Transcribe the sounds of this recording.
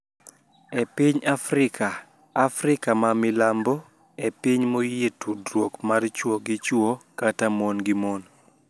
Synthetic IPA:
epiɲafɾɪkʰaː | fɾɪkamamɪlambɔ | epiɲmojetudɾwokmart͡ʃwoɡɪt͡ʃwokatamonɡɪmon

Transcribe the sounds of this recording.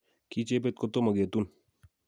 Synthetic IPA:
kit͡ʃep̬et̪̚kot̪omɐɡet̪un

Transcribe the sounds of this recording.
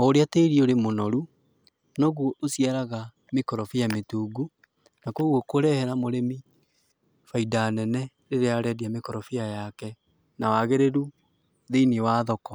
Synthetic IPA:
ɔoɾeateiɾioɾemonɔɾu | nɔɣwɔʔosiaɾaɣa | mekɔɾɔfiametuːɡu | nakoɣwɔkoɾɛhɛɾamoɾemi | faidanɛnɛ | ɾeɾeaɾɛdiamekɔɾɔfiajakɛ | nawaɣeɾeɾu | ðeiniwaːðɔkɔ

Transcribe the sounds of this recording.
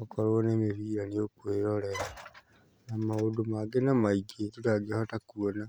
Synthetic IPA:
okolwonemiβiːɾanijokweɾoleɾa | namawodomaɡenamaiɡetutaɡihotakuona

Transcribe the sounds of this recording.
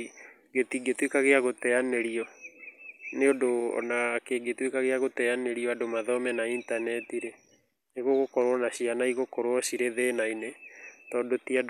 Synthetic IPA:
ɡetiɡetwekaɣeaɣotɛaneɾiɔ | neodoɔ̰nakeːɡetwekaɣeaɣotɛaneɾiɔadomaðɔmɛnaintanɛtiɾe | neɣoɣokɔɾwɔnaɕianaiɣokɔɾwɔsiɾeðeːnainetɔdotiad

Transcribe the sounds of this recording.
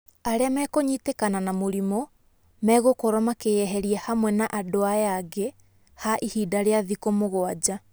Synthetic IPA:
aɾeamɛːkoɲitekananamoɾimo | mɛːɣokɔɾɔmakejɛɦɛɾiɛhamwɛnaʔadoajaɡe | haʔihiːdaɾeaðikomoɣoad͡ʑa

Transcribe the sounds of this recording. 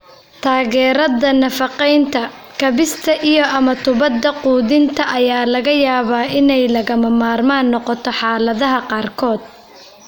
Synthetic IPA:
t̪ʰaːɣɛːɾɐðɐnɐfɑqɛjnt̪ʰɐkʰɐβɪst̪ʰɐʔijɔɐmɐt̪ʰʊβɐd̪ːɐquːðɪnt̪ʰɐʔɐjaːlɐɣɐjaːβaːɪnɛjlɐɣɐmɐmaːrmaːnːɔqɔt̪ʰɔħɑːlɐðɐɦɐqɑːrkʰɔːd̪̥̚

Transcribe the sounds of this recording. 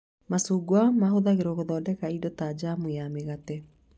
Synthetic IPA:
masuːɡwamaɦoðaɣeɾɔɣoðɔːdɛkaidotad͡ʑamujameɣatɛ

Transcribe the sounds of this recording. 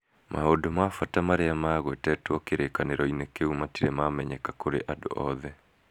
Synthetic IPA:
mʔaodomafatamaɾeamaːɣwɛtɛːtwɔkeɾekaneɾɔinekeumatiɾɛmamɛɲɛkakoɾḛʔado̰ʔɔðɛ

